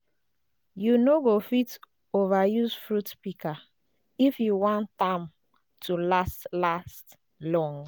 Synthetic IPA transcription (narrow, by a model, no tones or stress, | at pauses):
junoɡofit | ovajuzfɹutpika | ifjuwɔ̃ntãm | tʰulastlast | lɔ̃ŋ